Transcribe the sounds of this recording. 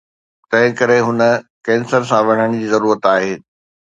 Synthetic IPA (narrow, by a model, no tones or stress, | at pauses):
t̪ɐ̃ɦɪ̃kɐɾeɦʊnə̆kɛ̃ːnsəɾsãʋɐɽ̤̃əɽ̃d͡ʑiːzɐɾuːɾət̪aːɦeː